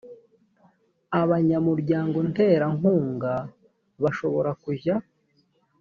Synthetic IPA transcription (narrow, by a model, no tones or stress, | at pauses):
aβaɲamuɾɟaːŋɡo̞nte̞ɾaŋuːŋɡa | βaʃo̞βo̞ɾakuja